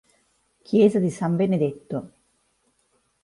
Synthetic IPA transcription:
kʰjeːzad̪isaɱbened̪et̪ːo

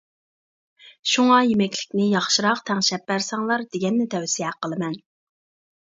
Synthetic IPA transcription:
ʃuŋɑjemɛkʲlɪkʲnɪjɑχʃiɾɑqt̪ʰæŋʃɛp̚bæɾsɑŋlˠɑɾd̪eɡʲɛnːɪt̪ʰɛwsijɛqʰəlˠɨmɛn

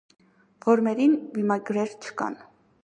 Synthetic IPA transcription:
vɔɾmɛɾinbimɑɡɾɛɾt͡ʃʰə̥kɑ̰n

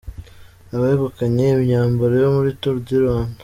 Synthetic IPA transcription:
aβaheɡukaɲemiɲaːmboɾijomuɾitoɾuɟiɾwaːnḁ

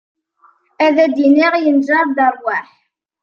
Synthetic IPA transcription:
æðæd̪iniʁjənd͡ʒɑɾd̪ɑɾˤwæħ

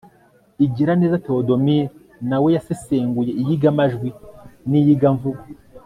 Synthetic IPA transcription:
iɟiɾaneːzato̞domi | nawejaseseːŋɡujeijiɡamaʒɡwinijiɡaɱvuɡa

